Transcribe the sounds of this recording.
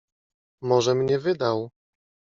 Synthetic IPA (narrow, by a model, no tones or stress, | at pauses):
mɔʐɛmɲɛvɘd̪aw